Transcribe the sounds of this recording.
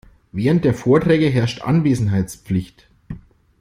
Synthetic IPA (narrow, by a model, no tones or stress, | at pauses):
vɛːʁənt̚d̥eːɐfoːɐtʁ̥ɛːɡəɦɛɐʃtʔa̰nveːzn̩ɦaɪt͡spp͡flɪçt